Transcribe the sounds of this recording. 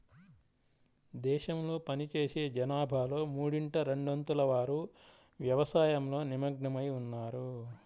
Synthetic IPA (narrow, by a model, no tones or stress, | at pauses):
d̪ɛːʃɐmlo̞ːpɐnit͡ʃeːseːd͡ʒɐnaːbʱaːlo̞ːmuːɽiɳʈɐɾeɳɖɐnt̪ulɐʋaːɾu | ʋjɐʋɐsaːjɐmlo̞ːnimɐɡɳɐmɐjunːaːɾu